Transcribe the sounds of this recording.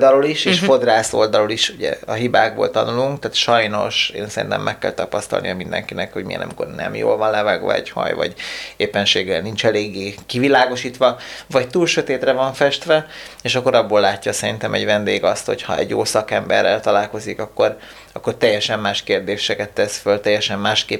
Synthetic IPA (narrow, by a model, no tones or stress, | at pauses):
d̪ɒloliʃeːʃfo̞d̪raːso̞ld̪ɒloliʃuɟɛ̰ɒɦibaːɡ̚boːlt̪ɒnuluŋkt̪aːt̪ʃɒjno̞̰ʃḛːnsɛɾḭnt̪ɛ̰mːʔɛkːɛ̰lt̪ɒpɒst̪ɒ̰lnijɒmind̪ɛ̰ŋkinɛkho̞ɟmijɛ̰nɒ̰miko̞̰rnɛ̰mjo̰ːlvɒnlɛvaːɡʋɒ̰ɛ̰ɟhɒ̰jvɒ̰ɟeːpːɛnʃeːɡɛlnint͡ʃɛleːɡːeːkivilaːɡo̞ʃiːt̪ʋɒvɒct̪uːlʃø̞t̪eːt̪rɛvɒɱfɛʃt̪ʋɛeːʃɒkːo̞ɾɒbːoːlːaːcːɒsɛɾint̪ɛmɛɟvɛnd̪eːɡɒst̪ho̞cʰhɒɛ̰ɟːoːsɒkɛmbɛrːɛlt̪ɒlaːlko̞zikɒkːo̞r | ɒkːo̞rt̪ɛjːɛʃɛmːaːʃkeːrd̪eːʃɛkɛt̪ːɛsfølt̪ɛjːɛʃɛmːaːʃkeː